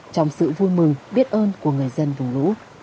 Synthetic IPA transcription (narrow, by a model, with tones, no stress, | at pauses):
t͡ɕɔ˧wŋ͡msɨ̰˧˨vu˧jmɨ˨˩ŋɓi˦˥ət̚ʔəː˧nku˧˩əŋɨ˨˩əjzə˧nvʊ˨˩ŋ͡mlṵ˧˥